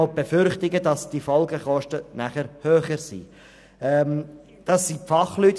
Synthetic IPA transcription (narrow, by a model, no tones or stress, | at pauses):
b̥efʏɾχtɪɡədɑsd̥ifɔlɡəχɔʃtənæχəɾhøːχəɾsḭː | ɛm | d̥ɑsːifɑχlyːt